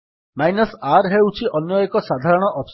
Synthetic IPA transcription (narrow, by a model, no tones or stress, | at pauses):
majnɔsaɾɦewt͡ʃʰiʔɔnjɔekɔsad̪ʱaɾɔɽ̃ɔʔɔps